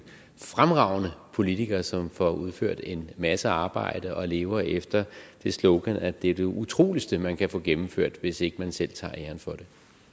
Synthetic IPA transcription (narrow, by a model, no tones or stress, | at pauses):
fʁamʁɑ̈ʊ̰nəpʰo̝lit͡sʰiɡ̥ɐːsɒ̽mfɒuð̞ˠfø̰ɐ̰d̥e̝nmæsəɑ̈ːb̥ɑ̈ɪ̰d̥əʔɒ̽le̝ːʊɐefd̥ɐd̥e̝slɔʊɡ̥ænæd̥eæɐd̥e̝ʔut͡sʰʁo̝̰ːlisd̥əmænkʰæfɔ̰̽ːɡ̥emm̩føɐ̰d̥ʋe̝se̝ɡ̥əmænsel̰t͡sʰɑ̈ːeɐn̩fɒ̽d̥e̝